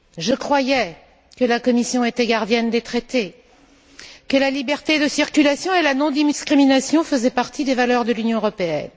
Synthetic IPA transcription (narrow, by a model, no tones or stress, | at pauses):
ʒəkχwajɛ | kəlakɔmisjɔ̃et̪ɛɡaʁd̪jɛnd̪et̪χet̪e | kəlalibɛʁt̪ed̪əsiʁkʲylasjɔ̃elanɔ̃d̪iskχiminasjɔ̃fəzɛpaʁt̪id̪evalœʁd̪əlynjɔ̃əʁɔpeɛ̰n